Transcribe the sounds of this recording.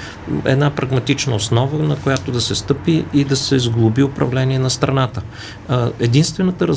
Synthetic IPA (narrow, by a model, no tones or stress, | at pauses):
ɛ̰d̪napɾɐɡmɐt̪it͡ʃnəosnɔvənɐkojat̪od̪ɐsɛst̪ɤpiːd̪ɐsɛizɡlˠʊbiʊpɾɐ̰vlɛniɛnɐst̪ɾɐnat̪ə | ɛd̪inst̪vɛnət̪əɾɐ